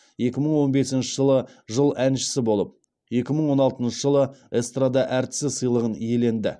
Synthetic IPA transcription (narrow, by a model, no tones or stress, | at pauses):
je̞kʲɪməɴwo̞nbe̞sɪnʃɪʒəlˠə | ʒəlˠænʃɪ̥sɪbo̞lˠəp̚ | je̞kʲɪməɴwo̞nɑlˠt̪ənʃəʒəlˠəest̪rad̪ɑʔæɾt̪ɪ̥sɪsəjlˠəʁənje̞le̞nd̪ɪ̰